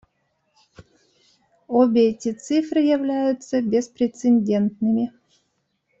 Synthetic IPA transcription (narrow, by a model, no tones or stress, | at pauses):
obʲɪɛtʲɪt̪sɨfrɨjɐvlʲæjʊt̪səbʲespɾʲɪt̪senʲdʲent̪nɨmʲɪ